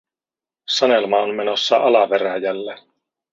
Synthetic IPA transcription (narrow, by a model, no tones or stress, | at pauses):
sɑne̞lmɑonme̞no̞sːɑʔɑlɑpe̞ɾæjælːe